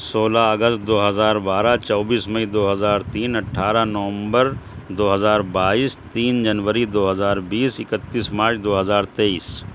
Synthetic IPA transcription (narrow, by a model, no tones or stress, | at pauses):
soːlaɐɡəst̪̚d̪oːɦɐzaːɾbaːɾat͡ʃɔːbiːsmɐid̪oːɦɐzaːɾt̪iːnɐʈʰːaːɾanɐʋə̃mbəɾd̪oːɦɐzaːɾbaːiːst̪iːnd͡ʒɐnʋəɾid̪oːɦɐzaːɾbiːsɪkət̪ːiːsmaːɾt͡ʃʰd̪oːɦɐzaːɾt̪eiːs